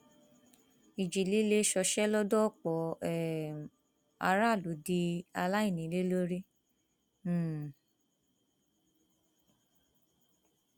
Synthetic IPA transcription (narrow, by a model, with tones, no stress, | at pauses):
i˨d͡ʒi˨li˨˦le˦ʃɔ˧ʃɛ˦lɔ˦dɔ˦˨k͡pɔ˨˦ɛ˨ | a̰˧ɾa˦˨lu˨˦di˧a˧la˦i˦˨nĩ˨˦le˦lo˦ɾi˦˨